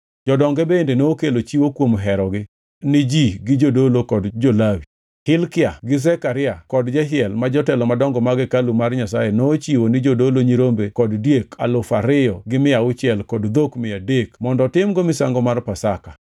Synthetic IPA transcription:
d͡ʒɔdɔŋɡɛbendenoːkelot͡ʃiwokwomɦɛɾɔɡɪ | nɪd͡ʒiɡɪd͡ʒodolokɔdd͡ʒolawi | hɪlkɪaɡɪs̬ɛkaɾɪakɔdd͡ʒɛɦɪɛlmad͡ʒɔtɛlɔmadɔŋɡɔmaɡɛkalumarɲasajenoːt͡ʃiwonɪd͡ʒodoloɲiɾombekɔddjekʰa̰lʊfaɾɪjɔɡɪmɪaʊt͡ʃɪɛlkɔdd̪okmɪadekmɔndɔtɪmɡomɪsa̰ŋɡɔmarpasaka

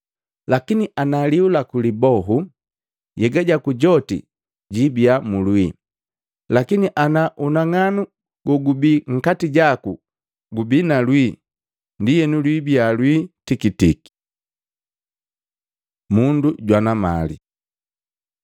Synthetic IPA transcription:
lakiniʔanaliulakulibɔɦu | jɛɡaɟakuɟɔtḭ | ɟibiamulwi | lakiniʔanaʔunaŋanu | ɡ̥ɔɡubiŋ̩katiɟaku | ɡubinalwi | ndijɛnulwibialwitikitiki̥ | munduɟwanama̰lḭ

